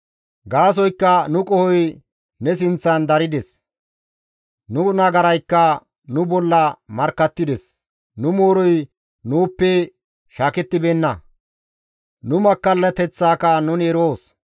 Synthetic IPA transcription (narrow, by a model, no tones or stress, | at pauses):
ɡaːs̬ɔjkːɐnʊkʼɔhɔj | nɛs̬ɪnt͡sːɐnd̪ɐɾɪd̪ɛs | nʊnɐɡɐɾɐjkːɐ | nʊbɔlːɐmɐɾkːɐt̪ːɪd̪ɛs | nʊmoːɾɔj | nuːpːɛ | ʃaːkɛt̪ːɪbeːnːɐ | nʊmɐkːɐlːɐt̪ɛt͡sːaːkɐnʊnɛɾoːs